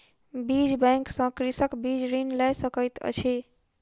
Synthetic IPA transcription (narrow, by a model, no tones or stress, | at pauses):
bid͡ʒbɛ̃ŋksə̃kɾisəkbid͡ʒɾinlɛjsəkəjt̪ə̰t͡ʃʰi